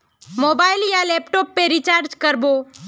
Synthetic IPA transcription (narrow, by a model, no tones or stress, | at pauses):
moːbaːɪljaleːpʈoːpːeɾit͡ʃaːɾd͡ʒkəɾbo